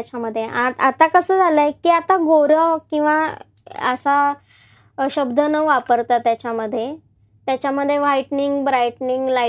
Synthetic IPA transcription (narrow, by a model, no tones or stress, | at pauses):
t͡ɕaməd̪ʱːjeʔaat̪akəsəd͡zʱaləjkiːat̪aɡoɾəkĩw̃ʋa | əsa | ɕəbd̪ʱənəʋapəɾt̪at̪jat͡ɕjaməd̪ʱːje | t̪jat͡ɕjaməd̪ʱːjeʋajʈniŋɡbɾajʈniŋɡla